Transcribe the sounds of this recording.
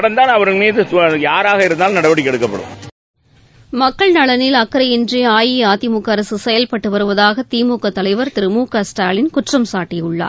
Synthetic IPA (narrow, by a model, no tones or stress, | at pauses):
ɐɽɐnd̪aːnɐʋɐɾɯmiːðɯjaːɾaːɣɐɪɾɯnd̪aːlnɐɽɐʋɐɽɪkʲːɛɽɯkːɐpːɐɽɯ̰̃m | mɐkːɐɭnɐɭɐnɪlɐkːɐɾɐjɪndriaːjiaːðɪmukːɐɐɾɐsɯsɛjɐlpɐʈːɯʋɐɾɯʋɐðaːɣɐt̪iːmuːkːɐt̪ːɐlɐɪʋɐɾt̪ɪɾɯmuːkɐsʈaːlɪnkʊʈrɐmsaːʈːɪjɯɭːa̰ː